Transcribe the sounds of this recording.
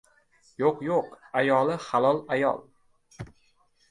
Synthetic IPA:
joqjoqajɒlˠɪχalˠɒlˠajɒ̰lˠ

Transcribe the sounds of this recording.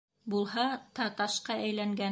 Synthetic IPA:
bulˠhɑt̪ɑt̪ɑʃqɑʔæjlæŋɡæ

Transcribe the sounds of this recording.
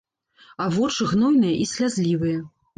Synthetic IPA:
avɔt͡ʂɨɣnɔjnɨjɐʔisʲlʲazʲlʲivɨjɐ

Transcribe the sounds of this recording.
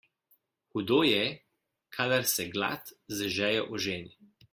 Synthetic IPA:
kud̪oːjɛ | kʰaːd̪aɾsɛɡla̰ːt̪zəʒɛːjɛʔɔʒeːni

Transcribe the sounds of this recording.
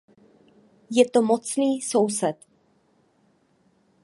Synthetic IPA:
jɛt̪omot͡sniːso̞wsɛt̪

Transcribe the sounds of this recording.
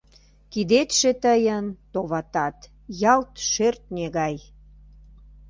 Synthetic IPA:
kid̪et̪ʃet̪əjənt̪oβɑt̪ɑt̪ | jɑlt̪ʃørt̪̚nʲeɣɑj

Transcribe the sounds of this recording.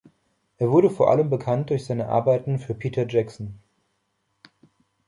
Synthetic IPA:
ʔeːɐvʊɐɾəfoːɐʔa̰ləmbəkʰant̚d̥ʊɐçz̥aɪnəʔa̰ɐbaɪtn̩fyːɐpʰiːtʰɐd͡ʒɛksn̩

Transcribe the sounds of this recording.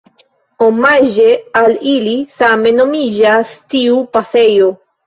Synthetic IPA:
omaʒe̞alilisame̞no̞mid͡ʒastiupase̞jo̞

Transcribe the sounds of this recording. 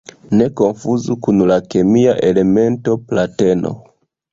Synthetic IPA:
ne̞ko̞nfuzukunlakemiaʔe̞le̞me̞nto̞plate̞no̞̰

